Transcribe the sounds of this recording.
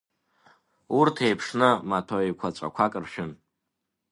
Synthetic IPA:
urtʰe̞jpʰʂnɨmatʰoikʷʰat͡ʃʷʼa̰kʷʰakʼɨrʃᶣɪn

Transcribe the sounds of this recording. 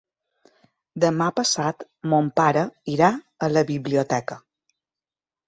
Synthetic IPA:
d̪əmapəsat̪ | mompaɾəiɾa | ələβiβliot̪ɛkə

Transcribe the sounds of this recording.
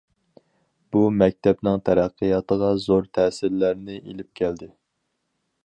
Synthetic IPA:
b̥umɛk̚ʲt̪ʰɛpnɪŋt̪ʰæɾæqʰːɨjɑt̪əʁɑzoɾt̪ʰɛsɪɾlæɾnɪʔelɪp̚kʲʰæld̪ɪ

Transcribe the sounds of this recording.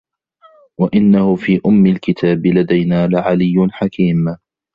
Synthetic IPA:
waʔɪnːahʊfiːʔʊmːɪlkɪt̪ʰaːbɪlad̪ajnaːlɪʕalɪjːʊnħakiːm

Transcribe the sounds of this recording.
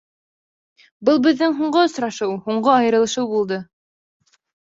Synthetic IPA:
bɤlˠbɘ̆ðːɘŋɦuɴɢɤŏsɾɑʃɤwhuɴɢoɑjɤ̆ɾɤ̆lˠɤ̆ʃɤwbulˠd̪ɤ

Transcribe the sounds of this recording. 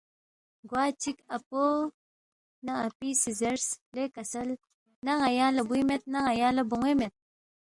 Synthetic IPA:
ɡwaːt͡ʃikɐpo | nɐapisizeɾslekɐsɐl | nɐŋɐjalɐbujmet̪̚naŋajalɐbuŋemet̪̚

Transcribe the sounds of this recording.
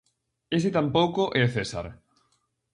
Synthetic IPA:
esɪt̪ampowkoʔeθesa̰ɾ

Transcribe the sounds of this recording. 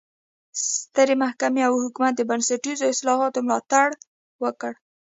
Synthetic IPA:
st̪əɾemahkameawhʊkumat̪̚d̪əbansaʈizoɪslɑhɑt̪omlɑt̪aɽ | wəkəɽ

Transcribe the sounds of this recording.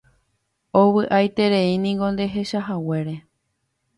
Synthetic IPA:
owɨʔajt̪e̞ɾeinĩŋɡõ̞nd̪e̞ɦe̞ʃaɦaweɾe̞

